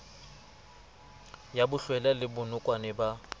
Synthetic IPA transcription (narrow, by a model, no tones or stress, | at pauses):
jabʊɬwɛlalɪbʊnʊkʼwanɛba